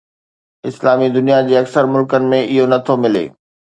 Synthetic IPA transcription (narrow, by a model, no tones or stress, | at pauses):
ɪslaːmid̪ʊnijad͡ʑeːɐksəɾmʊlkənɪ̆mẽʔɪɦonɐt̪ʰomɪlḛː